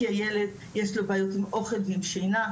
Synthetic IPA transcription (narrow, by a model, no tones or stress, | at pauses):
iajeled̪ | jeʃlobaːjut̪imo̞χelvimʃejna